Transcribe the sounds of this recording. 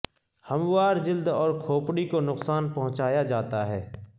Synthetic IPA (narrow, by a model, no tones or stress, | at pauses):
həmʋaːɾd͡ʒɪld̪ɔːɾkʰoːpɽikonʊqsaːnpɐɦʊ̃t͡ʃaːjad͡ʒaːt̪aɦɛː